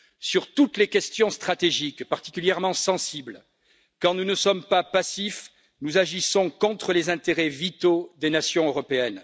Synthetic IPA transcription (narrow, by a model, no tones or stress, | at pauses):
syʁt̪ut̪lekʲɛst̪jɔ̃st̪χat̪eʒikpaʁt̪i̥kʲyljɛʁmɑ̃sɑ̃sibl | kɑ̃nunəsɔmpapasif | nuzaʒisɔ̃kɔ̃t̪χəlezɛ̃t̪eʁɛvit̪od̪enasjɔ̃øʁɔpeɛn